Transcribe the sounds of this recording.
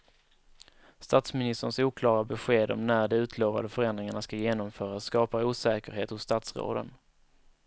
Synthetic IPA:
st̪aːt̪smɪnɪst̪əɳsuːkʰlɑːɾabɛɧeːd̪ɔ̰mnæɖɛʉ̟ːt̪ʰloːva̰d̪əfœɾɛnd̪ɾɪŋaɳaskajeːnɔmfœːɾasskɑːpauːsɛːkəɾɦeːt̪hʊsːt̪at̪sɾo̰ːd̪ə̰n

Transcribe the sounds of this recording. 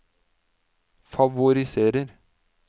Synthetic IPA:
fɑʋʊɾɪseːɾəɾ

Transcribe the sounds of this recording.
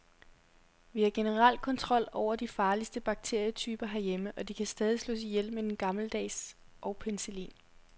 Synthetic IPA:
ʋihɑ̈ɡ̥e̝nəʁɑl̰d̥̚kʰɒ̽nt͡sʰʁɒ̽l̰ɒʊ̰ɐd̥ifɑ̈ːlisd̥əb̥ɑ̈ɡ̥̚t͡sʰe̝ɐ̰jət͡sʰyːb̥ɐɦæɐjeməʔɒ̽d̥ikʰæsd̥ɛːð̞ˠislo̰ːs̬ijel̰med̥enɡ̥ɑ̈ml̩d̥ɛ̰ːs | ʔɒ̽ʊpʰenselḭːn

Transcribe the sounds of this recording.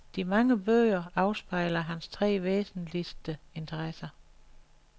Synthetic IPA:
d̥imɑ̈ŋəb̥øːɪɐɑ̈ʊsb̥ɑ̈ɪ̰lɐɦænst͡sʰʁɛ̰ːʋḛːsn̩lisd̥əe̝nt͡sʰɐʁasɐ

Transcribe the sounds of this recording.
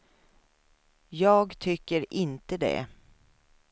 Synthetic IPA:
jɑːɡt̪ʰʏkːəɾʔɪnt̪əd̪ɛ̰

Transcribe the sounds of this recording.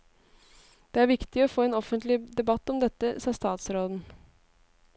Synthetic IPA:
d̪̥ɛːæɾʋɪkt̪ɪɔfoːeːnɔfənt̪lɪd̪ɛbɑt̪ːɔmd̪ɛt̪ːəsɑst̪ɑːt̪sɾoːd̪n̩

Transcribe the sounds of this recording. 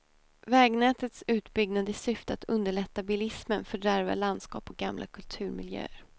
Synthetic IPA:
vɛːɡnɛːt̪ət̪sʉ̟ːt̪bʏɡnad̪əɪsʏft̪əat̪ʰɵnd̪əɭɛt̪ːabɪlɪsmənfœɖæɾva̰land̪skɑ̰ːpʰɔɡamlʔa̰kʰɵlt̪ʰʉ̟ːɾmɪ̰ljø̰ːəɾ

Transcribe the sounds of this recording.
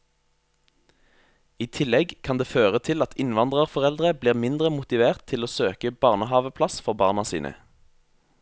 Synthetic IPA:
iːt̪ʰɪlɛɡkʰɑnd̪eːføːʁət̪ʰɪlɑt̪ʰɪnʋɑnd̪ʁəʁfɔʁɛld̪ʁəbliːʁmɪnd̪ʁəmʊt̪ɪʋeːʁt̪ʰɪloːsøːkəb̥ɑːʁnəɦɑːʋəpʰlɑsfɔʁbɑːʁnɑsḭːnʔə̰

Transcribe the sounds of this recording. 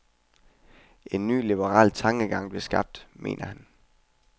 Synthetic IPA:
ʔe̝nːy̰ːlib̥əʁɑ̰̈ːlt͡sʰɑ̈ŋɡ̥əɡ̥ɑ̈ŋ̰b̥le̝sɡ̥ɑ̈b̥̚d̥mʔe̝̰ːnʔɐhæn

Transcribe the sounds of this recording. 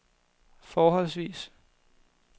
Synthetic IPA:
fɒːɦɒ̽l̰sʋiːs

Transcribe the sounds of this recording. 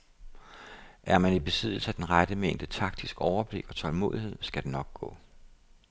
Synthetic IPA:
ʔæɐmænib̥e̝sið̞̰ˠl̩səæd̥enʁad̥əmeŋ̰d̥ət͡sʰɑ̈ɡ̥̚d̥isɡ̥ɒʊɐb̥le̝ɡ̥ɒ̽t͡sʰɒ̽lmo̝̰ːðˠihe̝ð̰ˠsɡ̥æd̥e̝nɒ̽ɡ̥̚ɡ̥ɔ̰̽ː

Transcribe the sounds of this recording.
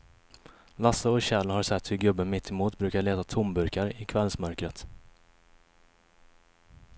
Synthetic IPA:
lasəɔɕɛlːhaɾʂɛt̪ːhɵɾɡɵbːənmɪt̪ʰːɛmuːt̪bɾʉ̟ːkaɭeːt̪at̪ʰʊmbɵɾkaɾɪkʰvɛlsmœɾkɾət̪

